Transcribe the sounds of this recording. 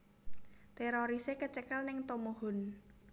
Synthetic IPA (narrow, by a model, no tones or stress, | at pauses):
t̪eɾoɾisekət͡ʃəkəlnɪŋt̪omoɦɔn